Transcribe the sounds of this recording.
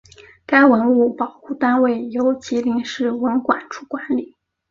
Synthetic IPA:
ka˥ɪwə˧˥nu˥˩pɑ˨˩ʊxu˥˩t̪a˥nwe˥˩ɪjo˧˥ʊt͡ɕʰi˧˥li˧˥ŋʂɻ̩˥˩wə˧˥nkwa˨˩nʈ͡ʂʰu˥˩kwa˧˥nli˨˩˦

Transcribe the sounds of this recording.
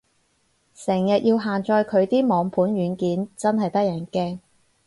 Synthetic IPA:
sɛː˨˩ŋjɐ˨t̚jiː˧wɦaː˨nt͡ʃɔː˧jkʰɵ˨˧ɥt̪iː˥mɔː˨˧ŋpʰuː˨˥nɥyː˨˧nkiː˨˥nt͡sɐ˥nhɐ˨jt̪ɐ˥k̚jɐː˨˩nkɛː˥ŋ

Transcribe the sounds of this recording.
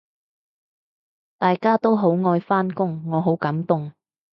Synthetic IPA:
t̪aː˨jkaː˥t̪o˥wɦo˨˥wŋɔː˧jfaː˥nkʊ˥ŋːɔː˨˧ɦo˨˥wkɐ˨˥mt̪ʊ˨ŋ

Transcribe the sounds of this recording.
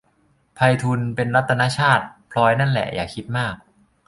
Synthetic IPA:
pʰa˧jt̪ʰu˧npe˧nɾa˦˥t̪ʰːa˧naː˦˥t͡ɕʰaː˥˩t̪̚pʰlɔː˧jna˥˩nlɛ̰˨˩jʔa̰ː˨˩kʰi˦˥t̪̚maː˥˩k̚

